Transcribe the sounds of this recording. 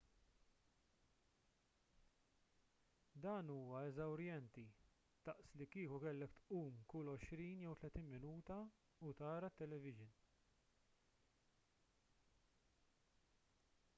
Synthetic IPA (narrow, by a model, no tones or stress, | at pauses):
d̪ɐːnuːwɐɛzɐwɾjɛnt̪i | t̪ɐʔslikiːkukɛlːɛkt̪ʔuːmkʊlɔʃɾiːnjɛwt̪lɛt̪iːnmɪnuːt̪ɐ | ʊt̪ɐːɾɐt̪ːɛlɛvɪʒɪn